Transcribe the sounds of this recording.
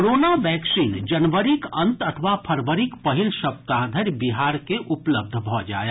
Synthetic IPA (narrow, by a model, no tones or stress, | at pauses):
ɾoːnaʋɛːksiːnd͡ʒɐnʋəɾɪkɐ̃nt̪ɐt̪ʰəʋapʰɐɾʋəɾɪkpɐɦilʃɐb̚t̪aːd̪ʱəɾjbɪɦaːɾkeʔʊpləb̚d̪ʱbʱɔːd͡ʒa̰ːja